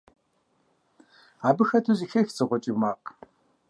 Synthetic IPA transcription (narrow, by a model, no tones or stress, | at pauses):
aːbɨxɐtʰuziːxɐxt͡sʰʼɨʁʷɔt͡ʃʼimaːq